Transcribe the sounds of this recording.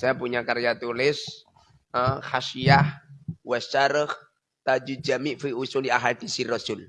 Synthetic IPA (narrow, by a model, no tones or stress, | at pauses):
sajapuɲakaɾijat̪ulɪs | əhaʃiahwɛst͡ʃaɾəh | t̪ad͡ʒud͡ʒamiʔfiusʊŋdiaɦad̪̥isirɔsʊl